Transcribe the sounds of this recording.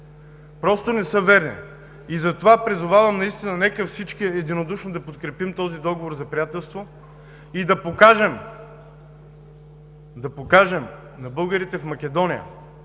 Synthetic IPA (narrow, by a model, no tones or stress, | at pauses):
pɾɔst̪onɛsɤvɛɾnḭ | izɐt̪ovapɾizʊvavɐmnɐist̪inɐnɛkəfsit͡ʃk̟iɛd̪inod̪uʃnod̪ɐpot̪kɾɛpimt̪ɔzid̪ɔɡovoɾzɐpɾijat̪ɛlˠst̪vo | id̪ɐpokaʒɛm | d̪ɐpokaʒɛm | nɐbɤlˠɡəɾit̪ɛfmɐk̟ʲɛd̪ɔnijə̰